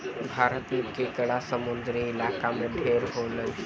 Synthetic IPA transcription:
bʱaɾət̪mikekəɽasəmund̪ɾiɪlakameɖʱeɾɦoləj

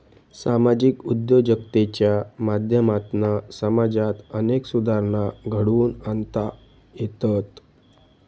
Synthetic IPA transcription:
samad͡ʑikud̪jod͡ʑəkt̪et͡ɕjamad̪ʱjəmat̪nasəmad͡zat̪əneksud̪ʱaɾnaɡʱəɽuːnənt̪a | jet̪ət̪

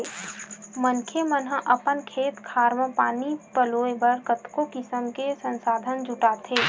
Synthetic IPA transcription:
mənkʰemənɦãʔɐpənkʰeːt̪kʰaːɾməpaːnipəloːebəɾkət̪kokɪsəmkesə̃nsaːd̪ʱənd͡ʒʱʊʈaːt̪ʰeː

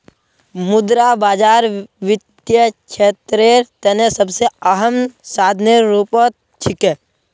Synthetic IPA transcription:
mʊd̪ɾabaːd͡ʒaːɾʋɪd̪jət͡ʃʰeːt̪ɾeɾt̪ɛnesəbseəɦəmsaːd̪ʱneɾuːpot̪̚ | t͡ʃʰɪkɛː

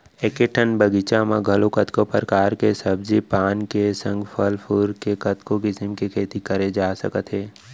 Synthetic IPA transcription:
ekeʈʰənbəɡɪt͡ʃamãɡʱɐlokɐt̪kopəɾkaːɾkesəbzipaːnkesə̃ŋɡfʰəlpʰʊɾkekɐt̪kõkisɪmkikʰeːt̪ikəɾed͡ʒaːsə̰kət̪ɦeː

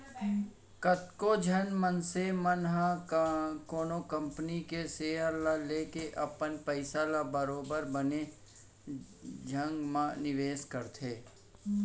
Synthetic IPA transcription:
kət̪kod͡ʒʱənmənsemənɦa | koːnokə̃mpnikeseːəɾlaleːkeʔɐpənpəɪsalabəɾoːbəɾbəne | d͡ʒʱə̃ŋɡmãnɪʋeːskəɾt̪ʰeː

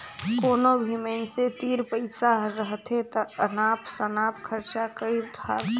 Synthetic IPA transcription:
koːnobʱimenset̪iːɾpəɪsaɾəɦt̪ʰet̪əənaːpsənaːpkʰəɾt͡ʃakəiɾt̪ʰaːɾt̪

